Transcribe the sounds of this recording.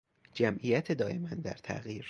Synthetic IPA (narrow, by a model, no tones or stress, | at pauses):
d͡ʒæmʔijæt̪ʰe̞d̪ɒːje̞mænd̪æ̰ɾt̪ʰæ̰ɣiːɾ